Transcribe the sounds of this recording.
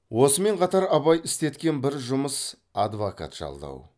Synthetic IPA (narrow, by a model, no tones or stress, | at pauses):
wo̞səme̞ɴqʰɑt̪ɑɾɑβɑjɪst̪e̞t̪kʲe̞nbɪɾʒʊməs | ɑd̪voka̰t̪ʒ̥ɑ̰lˠd̪ɑ̰w